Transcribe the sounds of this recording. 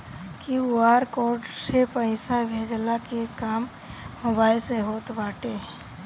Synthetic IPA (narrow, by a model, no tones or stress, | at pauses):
kiuaɾkoːɾɖsepə̃ɪ̃sabʱeːd͡ʒəlakekaːmː | ʊbaːiseɦoːt̪baːʈe